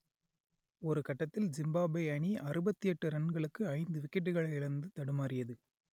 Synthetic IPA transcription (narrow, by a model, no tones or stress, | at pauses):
ɔɾɯkɐʈːɐt̪ːɪlzɪmbaːbɐɪɐɳiʔɐɾɯbɐt̪ːijɛʈːɯɾɐɳɡɐɭɯkːɯɐɪnd̪ɯʋɪkːɪʈ̬ːɯɣɐɭɐɪɪɭɐnd̪ɯt̪ɐɽɯmaːɾɪjɐðɯ